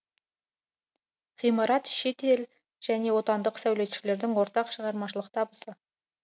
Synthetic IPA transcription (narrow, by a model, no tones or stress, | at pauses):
ʁ̥ijmɑɾɑt̪ʃe̞t̪e̞l | ʒ̥æne̞wo̞t̪ɑnd̪əqsæwle̞t̪ʃɪ̥le̞ɾd̪ɪŋwo̞ɾt̪ɑqʃəʁɑɾmɑʃəlˠəq̚t̪ʰɑbəsə